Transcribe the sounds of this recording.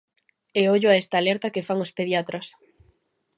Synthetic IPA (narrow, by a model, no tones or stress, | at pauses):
eoʎʊaɛst̪aːlɛɾt̪ɐkefaŋospeðjat̪ɾos